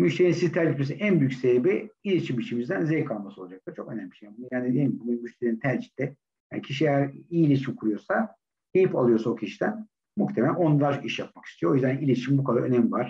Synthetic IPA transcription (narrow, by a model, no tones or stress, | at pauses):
myʃleininsizit̪ʰæɾd͡ʒit̪mes̬iænbyjycʲsebiilʲit͡ʃʰimbit͡ʃʰimizd̪ænzɛjkʰalˠmasɯo̞lˠad͡ʒak̚t̪ˠɯɾ̥t͡ʃʰo̞kønæmːʲiʃjanbunujaːned̪elʲimbunumyʃt̪ʲeinint̪ʰæɾʲd͡ʒi̥t̪lɛ | ja̰ːnicʰiʃiejæɾiːilʲit͡ʃʰimkʰuɾujo̞sa | hejipalˠɯjo̞saocʰiʃid̪æn | muxt̪ʰemeæo̞nd̪aɾiʃjap̚maki̥st̪ʰijoojyzd̪ænilʲit͡ʃʰimbukʰad̪a̰ɾønæmvaɾ̥